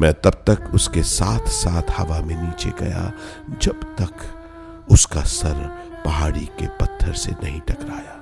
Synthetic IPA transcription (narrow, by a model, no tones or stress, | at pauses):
mɛ̃ːt̪ɐb̚t̪ɐkʊskesaːt̪ʰsaːt̪ʰhɐʋamẽniːt͡ʃḛɡɐ̰ja̰ | d͡ʒɐbt̪ɐk | ʊskasɐɾ | pɐɦaːɽikepɐt̪ʰːəɾsḛnɐɦĩʈɐkɾaːjaː